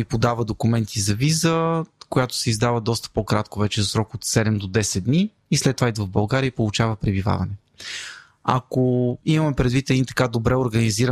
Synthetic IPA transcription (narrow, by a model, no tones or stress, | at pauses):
ipod̪avəd̪okʊmɛnt̪ʰizɐvizəkojat̪ʊ̥sɛizd̪avəd̪ɔst̪ə̥pokɾat̪kovɛt͡ʃɛzɐsɾɔkot̪sɛd̪ɛmd̪od̪ɛsɛtd̪̚d̪niː | slɛt̪ːovaid̪vəvbɐlˠɡaɾijəipolˠut͡ʃavəpɾɛbiva̰vɐ̰nɛ | a̰koimɐmɛpɾɛd̪vit̪ɛd̪it̪ɐ̥kad̪obɾɛoɾɡəniziɾə